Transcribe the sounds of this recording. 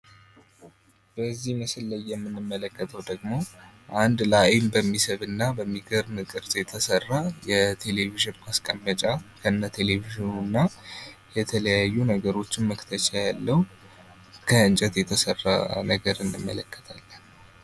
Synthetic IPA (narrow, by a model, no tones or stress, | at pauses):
b̥əzːiməsɨlːəjːɛmːɨnːɨmːələkːət̪ʰəwd̪əɡmo̞ʔand̪lajmbəmːisəβɨnːabəmːiɡəɾnɨkʼɨɾzʼjɛt̪ʰəsərːajɛt̪ʰe̞le̞viʒɪnmaskʼəmːət͡ʃʼakʰəɨnːat̪ʰe̞le̞viʒnunːajɛt̪ʰələjajːunəɡəɾo̞t͡ʃːɪnməkt̪ʰət͡ʃʰʼajalːəhu | kʰəɨnt͡ʃʼət̪jɛt̪ʰəsərːa̰nəɡəɾɨnːɨmːə̰ləkːə̥t̪ʰalːən